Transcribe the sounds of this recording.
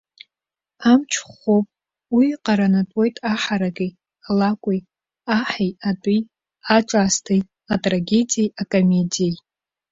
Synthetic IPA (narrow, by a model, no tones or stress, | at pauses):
amt͡ʃʰχopʼ | wiqʼaɾanatʷʼo̞jtʼaħaɾaɡij | alakʷʼij | aħejadʼij | aʈ͡ʂʼaːstʰij | atʼraɡʲe̞dijejakʼome̞dijej